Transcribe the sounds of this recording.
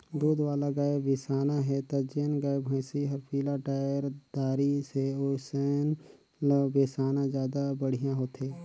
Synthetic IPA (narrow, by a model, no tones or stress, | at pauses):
d̪uːd̪ʋaːlaɡaːebesaːnaɦɛt̪ad͡ʒeːnɡaːjebʱə̃ɪ̃siɦɐɾpʰiːlaʈaːjəɾd̪̥aːɾiseoːseːn | lbeːsaːnãzjaːd̪abəɽ̤ijãɦoːt̪eː